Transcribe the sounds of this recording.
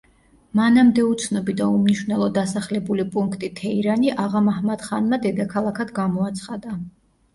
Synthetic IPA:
manamd̪ɛut̪sʰnɔbid̪aumniʃvnɛlˠɔd̪asaχlɛbulipʼuŋkʰt̪ʼit̪ʰɛiɾaniʔaʁamahmad̪χanmad̪ɛd̪akʰalˠakʰad̪ɡamɔat̪sʰχad̪a

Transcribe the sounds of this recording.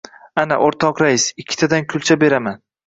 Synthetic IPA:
ana̰ʔoɾt̪ʰɒqɾaɪsɪkʲʰːɪ̥t̪ʰad̪ankʲʰʊlˠt͡ʃʰabe̞ɾaman

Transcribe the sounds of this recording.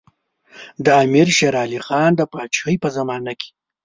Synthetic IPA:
d̪aːmiɾʃeɾɑːlixɑːnd̪əpɑːt͡ʃxəjpəzamɑnakʰe̥

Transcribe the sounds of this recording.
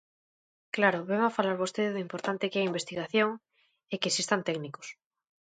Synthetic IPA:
klaɾʊβeŋafalaɾβost̪eðɪðimpoɾt̪ant̪ɪkeaimbest̪iɣaθjoŋ | ekesist̪ant̪ɛkniko̥s

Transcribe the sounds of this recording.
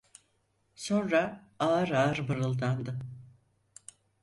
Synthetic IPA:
so̞nɾaaɾaɾbɯɾɯlˠd̪and̪ɯ

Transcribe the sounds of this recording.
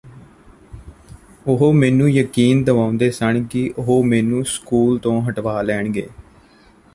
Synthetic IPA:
ʊɦoːmɛːnũːjəkiːnd̪əʋãːʊ̃nd̪eːsəɳkɪʔʊɦoːmɛːnũːskuːlt̪õːɦəʈʋaːlɛːɳɡḛː

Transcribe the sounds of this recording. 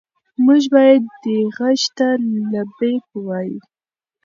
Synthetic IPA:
muʒbɑjad̪ːəɣaʃt̪alabekəwɑjṵ

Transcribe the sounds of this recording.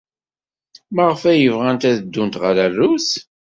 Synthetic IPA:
məʁəfæjəvʁænt̪æðəd̪ːunt̪ʁəɾærːʊs

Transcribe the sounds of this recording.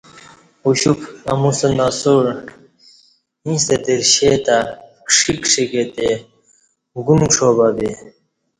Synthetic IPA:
uɕukɐmusɐnasoɾ | ĩst̪et̪eɾɕeːt̪akʂikʂiket̪e | ɡumʈ͡ʂʰobabi

